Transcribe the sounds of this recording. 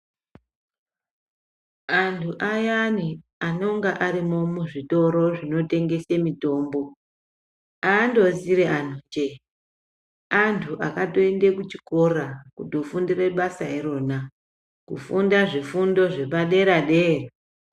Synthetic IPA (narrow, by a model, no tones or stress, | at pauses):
antʰuʔajaniano̞ŋɡaʔaɾimo̞muʐito̞ɾo̞ʐino̞te̞ŋɡe̞semito̞ːmbo̞ | aːndo̞ziɾean̤oːɲd͡ʒe | antʰuʔakato̞ende̞kut͡ʃi̥ko̞rakudo̞fundire̞ɓasaiɾo̞na | kufundaʐifundo̞ʐe̞paɗe̞ɾaɗe̞ːra